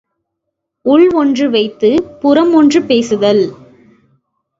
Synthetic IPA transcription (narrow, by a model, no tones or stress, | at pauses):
ʊɭɔndrɯʋɐɪt̪ːɯpʊɾɐmɔndrɯpeːsɯðɐl